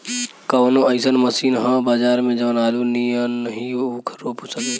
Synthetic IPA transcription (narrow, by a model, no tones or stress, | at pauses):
kəʋnoəɪsənməsiːnɦãbaːd͡ʒaːɾmẽd͡ʒəʋnaːluniənnəɦĩukʰɾoːposəke